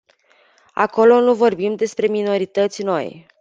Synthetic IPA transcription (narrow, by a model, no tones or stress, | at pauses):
a̰ko̞lo̞nuvo̞rbimd̪e̞spɾe̞mino̞ɾit̪ət̪sʲno̞̰j